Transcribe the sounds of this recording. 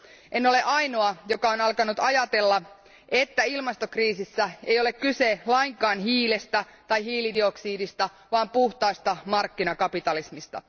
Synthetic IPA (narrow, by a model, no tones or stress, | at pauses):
enːo̞le̞ʔɑjno̞ɑjo̞kɑonɑlkɑnut̪ɑjɑt̪e̞lːɑ | et̪ːæilmɑst̪o̞kriːsisːæe̞jo̞le̞kkyselɑiŋkɑːnɦiːlest̪æt̪ɑjɦiːlidio̞ksiːdist̪ɑ | ʋɑːmpuht̪ɑist̪ɑmɑrkːinɑkɑpit̪ɑlismist̪ɑ̰